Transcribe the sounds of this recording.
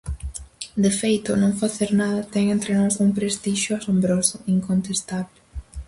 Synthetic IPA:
d̪efejt̪ʊnõŋfaθeɾnaðɐt̪ɛŋẽnt̪ɾenɔsuŋpɾest̪iʃjʊasombɾosʊiŋkont̪est̪aβle

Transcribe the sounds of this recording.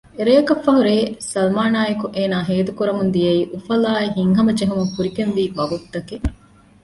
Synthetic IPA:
eɾejɐkɐfːɐɦuɾeːsɐlmaːnaːjekuʔeːnaːɦeːd̪ukuɾɐmund̪ijɐiːʔufɐlaːiɦiŋɦɐmɐd͡ʒeɦumuŋfuɾikenʋiːʋɐɡut̪ːɐke

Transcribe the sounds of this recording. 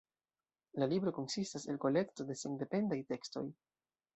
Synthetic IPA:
lalibɾo̞ko̞nsistaselko̞le̞kto̞de̞seŋde̞pe̞ndajte̞ksto̞̰j

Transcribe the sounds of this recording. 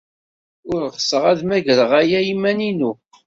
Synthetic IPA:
ʊɾʁəsəʁæðmæʝəɾəʁæjæimːæninu

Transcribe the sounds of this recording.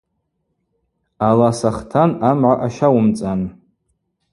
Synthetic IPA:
alasaχtʰanamʕʷaʔaʃawʊmt͡sʼan

